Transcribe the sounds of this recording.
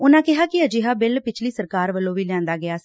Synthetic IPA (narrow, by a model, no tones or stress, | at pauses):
ʊnãːkɪɦaːkɪəd͡ʒɪɦaːbɪlpɪt͡ʃʰliːsəɾkaːɾʋəlːõːʋiːljãːnd̪aːɡɪaːsi